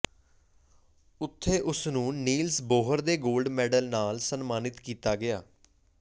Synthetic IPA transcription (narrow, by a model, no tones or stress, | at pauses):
ʊt̪ʰːeːʔʊsnũːniːlsboːɦəɾd̪eːɡoːlɖmɛːɖəlnaːlsənmaːnɪt̪kiːt̪aːɡɪaː